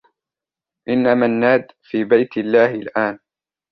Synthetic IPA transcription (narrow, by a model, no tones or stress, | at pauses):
ʔɪnːamanːaːd̪fiːbajt̪lːaːhɪlʔaːn